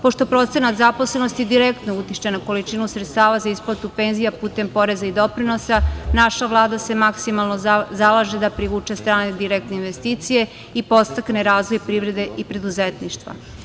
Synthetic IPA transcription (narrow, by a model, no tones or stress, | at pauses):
po̞ʃt̪opɾo̞t̪se̞nat̪zapo̞sle̞no̞st̪id̪iɾekt̪nout̪iʃt͡ɕenako̞lit͡ʃinusɾet̪st̪aːʋazaisplˠat̪upe̞nzijapuːt̪e̞mpo̞ɾe̞zaid̪o̞pɾino̞sanaʃaʋlˠaːd̪ase̞maksimalˠnozalˠaʒed̪apɾiʋuːt͡ʃest̪ɾaːned̪iɾek̚t̪neinʋest̪iːt̪sije̞ | ipo̞st̪akne̞ɾaːzʋojpɾiːʋɾe̞d̪e̞ʔipɾe̞d̪uzet̪niʃt̪ʋa̰